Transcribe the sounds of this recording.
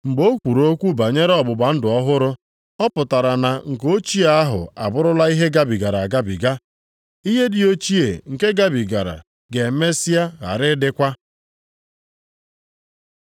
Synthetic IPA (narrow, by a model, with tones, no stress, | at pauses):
ŋ͡m̩˨ɡ͡bo˦kʷu˨ɾo˦kʷu˦ba˨ɲe˦ɾe˦ɔ˦bʊ˨ba˨n̩˦dʊ˨ɔ˦ɦʊ˦ɾʊ˦ | ɔ˦pʊ˨ta˨ɾa˨na˨ŋ̩˨ko˦t͡ʃi˦a˨a˦ɦʊ̰˨a̰˨bʊ˦ɾʊ˦la˦i˦ɦe˦ɡa˦bi˨ɡa˨ɾa˨a˨ɡa˦bḭ˨ɡa˦ | i˦ɦe˦dɪ˨o˦t͡ʃi˦e˨ŋ̩˨ke˦ɡa˦bi˨ɡa˨ɾa̰˨ | ɡe˨˦me˦si˦a˦ɣa̰˨ɾɪ˦dɪ˦kʷa˦